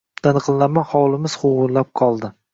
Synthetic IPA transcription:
d̪anɨqʰɨlˠlːamanhɒwlˠɪmɪz̥χʊʁʊɾlap̚qʰɒlˠd̪ɪ

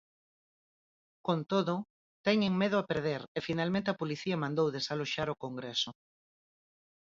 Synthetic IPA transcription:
kõnt̪oðo | t̪ɛɲeŋmeð̞oapeɾð̞eɾefinalmẽnt̪eapoliθiamãnd̪owðesaloʃaɾokoŋɡɾeso

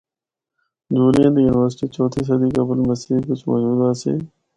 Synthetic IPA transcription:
d͡ʑuːlijãːd̪ijuːnɪʋəɾsɪʈiːt͡ɕɔːt̪ʰiːs̬ɐd̪iːkɐbəlməsiːkʊt͡ʃmɔ̰ːd͡ʒuːd̪asḛː

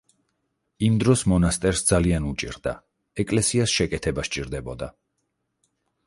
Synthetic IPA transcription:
imd̪ɾɔsmɔnast̪ʼɛɾsd̪zalianut͡ʃʼḭɾd̪a̰ | ɛkʼlɛsiasʃɛkʼɛt̪ʰɛbast͡ʃʼiɾd̪ɛbɔd̪a

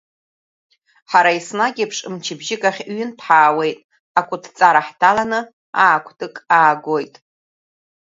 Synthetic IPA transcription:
ħaɾaisnaɡʲipʰʂʼɨmt͡ʃʰɪbʒɪkʼaχʲɥʏnpʰħaːwe̞jtʼ | akʷʼʊtʰt͡sʼaɾaħtʰalanɨ | aːkʷʰtʼɨkʼaːɡʷojtʼ

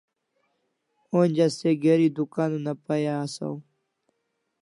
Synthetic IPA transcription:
oːnʲd͡ʑaseɡeɾiːd̪ukaːnunapajaːsa̰w

